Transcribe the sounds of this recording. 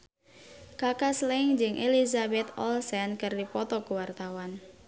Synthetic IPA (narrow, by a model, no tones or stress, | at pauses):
kakaslɛŋd͡ʒɨŋʔelizabɛt̪ɔlsɛnkərdipɔt̪ɔkuwart̪awan